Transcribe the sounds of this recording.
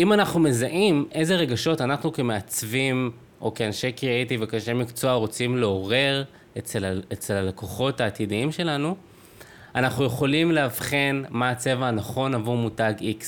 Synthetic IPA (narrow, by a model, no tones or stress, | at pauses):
imanaχnume̞zaʔime̞zeʁe̞ɡaʃo̞tanaχnuke̞me̞at͡svim | ʔo̞̰keanʃekiaitivekaʃemikt͡so̞aʁo̞t͡simle̞o̞ʁe̞ʁ | et͡selet͡selalakoχo̞thaːtidiimʃe̞lanu | anaχnuje̞χo̞limleavχe̞nmat͡se̞vaːnaχo̞navuʁmutaɡiks